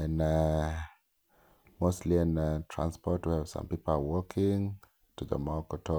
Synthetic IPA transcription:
ɛ̃na | moʊstˡliɪ̃ntʰɹ̥ã̰nspɔtwiəv̥sã̰mpipəl̩awɔkʰɪ̃ŋ | tʰuðə̰makətʰɔ

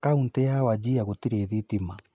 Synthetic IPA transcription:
kauntɛawad͡ʑiaɣotiɾeðitima

